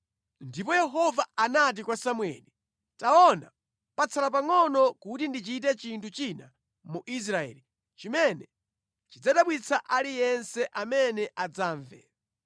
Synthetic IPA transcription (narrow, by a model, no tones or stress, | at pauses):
ndipɔjɛɦɔvaanat̬ikwasamwɛ̰ni | taɔna̰ | pat͡sʰalap̬aŋɔnɔkutindit͡ʃit̬ɛt͡ʃintʰut͡ʃina | muʔis̬ɾaɛ̰ːli | t͡ʃimɛnɛ | t͡ʃid͡zaɗaɓwit͡sʰaʔalijɛnsɛʔamɛnɛʔad͡zaːɱvɛ̰